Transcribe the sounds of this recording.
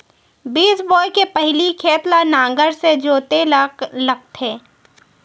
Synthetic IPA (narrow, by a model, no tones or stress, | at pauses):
biːsbɔːjkepɛɦlikʰeːt̪lanãːŋɡəɾsed͡ʒoːt̪elɐk̚t̪ʰẽː